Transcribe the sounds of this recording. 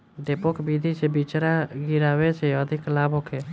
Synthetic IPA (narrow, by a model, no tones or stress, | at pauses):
d̪eːpokbid̪ʱit͡ʃebit͡ʃɾaɡɪɾaːwet͡ʃeəd̪ʱɪklaːboːkʰe